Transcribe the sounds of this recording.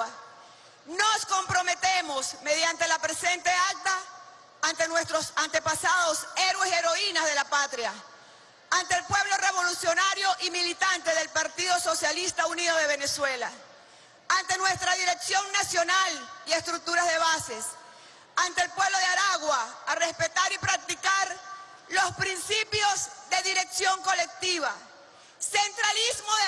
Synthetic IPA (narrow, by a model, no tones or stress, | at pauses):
no̞sko̞mpɾo̞met̪e̞mo̞sme̞ðjant̪e̞lapɾe̞se̞nt̪e̞ak̚t̪aː | nt̪e̞nwe̞st̪ɾosant̪e̞pasaðo̞se̞ɾwe̞seɾo̞inazðe̞lapat̪ɾja | ant̪eeːlpwe̞βlo̞re̞βo̞lusjo̞naɾjo̞ʔimilit̪ant̪e̞ðe̞lpaɾt̪iðo̞so̞sjalist̪auniðo̞ð̞e̞β̞e̞ne̞swe̞la | ant̪e̞nwe̞st̪ɾaðiɾe̞ksjo̞ŋnasjo̞nalie̞st̪ɾuk̚t̪uɾazðe̞βase̞s | ant̪eːlpwe̞βlo̞ðeaɾaɣwaːre̞spe̞t̪aɾipɾak̚t̪ikaɾ | lo̞spɾinsipjo̞zðe̞ðiɾe̞ksjo̞ŋko̞le̞k̚t̪iβa | se̞nt̪ɾalizmo